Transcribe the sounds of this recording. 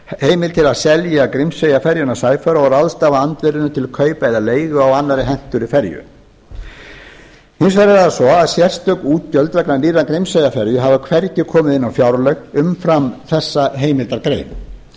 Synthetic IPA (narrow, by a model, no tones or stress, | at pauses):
heːjmɪlt̪ʰɪlaðsɛljakɾɪmsejafɛɾjʏnasaːjfœɾaɔɾaðst̪aːvaant̪vɪɾɪnʏt̪ʰɪlkʰœːɥpaɪðaleːjɣʏawanːaɾɪɦɛn̥t̪ʏɾifɛɾjʏ̰ | hɪns̬vɛɾɪɾaðasɔaðsjɛr̥st̪œknuːt̪̚cœlt̪vɛknaniːrːakɾɪmsejafɛɾjʏɦavakʰvɛɾcɪkʰɔːmɪðɪnːawfjawɾlœɣʏmfɾamθɛsːaɦeːjmɪlt̪aɾkɾḛjm